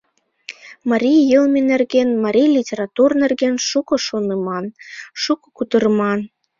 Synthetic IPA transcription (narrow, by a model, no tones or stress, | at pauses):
mɑɾʲijjəlmʲenerɣenmɑɾʲijlʲitʲeɾɑt̪urnerɣenʃukŏʃonɤmɑnʃukŏ̥kut̪ərmɑn